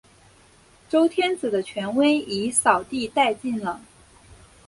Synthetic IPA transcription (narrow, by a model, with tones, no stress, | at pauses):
ʈ͡ʂo˥ʊt̪ʰjɛ˥nd͡zɹ̩˨˩d̪ə˦t͡ɕʰɥɛ˧˥nwe˥ɪi˧˥sɑ˨˩ʊt̪i˥˧t̪a˥˧ɪt͡ɕi˥˩nlə˩